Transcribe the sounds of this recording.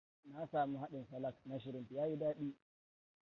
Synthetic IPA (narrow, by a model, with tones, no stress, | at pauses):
na˦saː˨mu˦ha˦ɗɪ˨nsɐ˦lɐ˦kna˦ʃ̬ɪ˨ɾɪ˨˦mti˨jaː˦ji˦daː˦ɗiː˦